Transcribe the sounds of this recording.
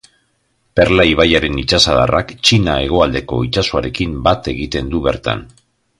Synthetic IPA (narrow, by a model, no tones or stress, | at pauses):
pe̞ɾlaiβ̞ajaɾe̞nit͡ʃasað̞a̰rakt͡ʃinae̞ɣ̞o̞ald̪e̞ko̞it͡ʃasoaɾe̞kimbat̪e̞ɣit̪e̞nd̪uβe̞ɾt̪a̰n